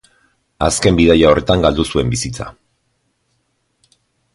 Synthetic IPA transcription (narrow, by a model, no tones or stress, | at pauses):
a̰ske̞mbiðajao̞re̞t̪aŋɡald̪usue̞mbisit͡sa̰